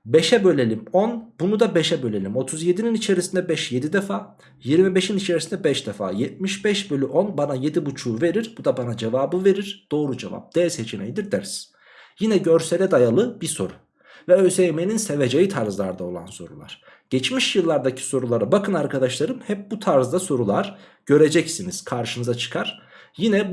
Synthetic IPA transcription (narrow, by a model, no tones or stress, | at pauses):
beʃɛbø̞lʲelʲimonbunud̪abeʃɛbø̞lʲelʲimo̞t̪ʰuzje̞d̪ininit͡ʃʰe̞ɾisind̪ɛbɛʃje̞d̪id̪efaː | jiɾmibeʃinit͡ʃʰe̞ɾisind̪ɛbɛʃd̪efa̰ːjɛt̪̚miʃbɛʃbø̞lʲyʔonbanaje̞d̪ibut͡ʃʰuːve̞ɾiɾbud̪abanad͡ʒevaːbɯve̞ɾiɾd̪̥o̞ːɾud͡ʒḛva̰p̚d̪̥ɛɾshet͡ʃʰinejd̪iɾd̪æɾs | jinɛɟøɾselʲɛd̪ajalˠɯbiso̞ɾu | vɛøsejmeninse̞ve̞d͡ʒejit̪ʰaɾzlˠaɾd̪ao̞lˠa̰nso̞ɾṵlˠa̰ɾ̥ | ɟ̥ɛt͡ʃmiʃjɯlˠːaɾd̪acʰi̥so̞ɾulˠaɾabakʰɯnaɾkad̪aʃlˠaɾɯmhɛp̚but̪ʰaɾzd̪aso̞ɾulˠaɾ̥ | ɟ̥ø̞ɾe̞d͡ʒɛcsiniz̥kʰaɾʃɯnɯzat͡ʃʰɯ̥kʰaɾ̥ | jinɛ